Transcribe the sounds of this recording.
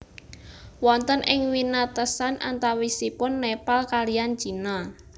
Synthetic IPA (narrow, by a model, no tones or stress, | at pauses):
wɔnt̪ənʔɪŋwinat̪əsana̰nt̪awisipʊnːepalkalijan̥ʒ̥i̤na